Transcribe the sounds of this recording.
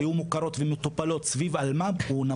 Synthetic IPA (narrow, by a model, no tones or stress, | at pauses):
jumukaɾo̞t̪vemet̪opalo̞t̪svivalmauna